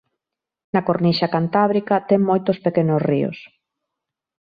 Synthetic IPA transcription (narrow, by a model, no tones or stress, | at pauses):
nɐkoɾniʃakant̪aβɾikɐt̪ɛŋmojt̪ʊspekenosrio̰s